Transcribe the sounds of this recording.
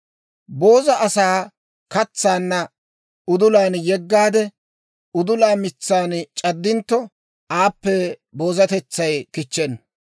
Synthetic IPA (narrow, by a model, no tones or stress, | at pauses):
bo̞ːzɐʔɐsaː | kɐt͡sːaːnːɐ | ʊd̪ʊlaːnjɛɡːaːd̪ɛ | ʊd̪ʊlaːmɪt͡sːaːnt͡ʃʼɐd̪ːɪnt̪ːɔ | ʔaːpːɛbo̞ːzɐt̪ɛt͡sːɐjkɪt͡ʃːɛn